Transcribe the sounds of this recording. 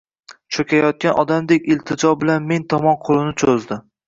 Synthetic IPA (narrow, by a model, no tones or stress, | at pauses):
t͡ʃʰokʲajɒt̪̚kʲanʔɒd̪amd̪ekʲɪlt̪ʰɪd͡ʒɒbɪlanme̞nt̪ʰɒmɒnqʰolˠɪnɪt͡ʃʰozd̪ɪ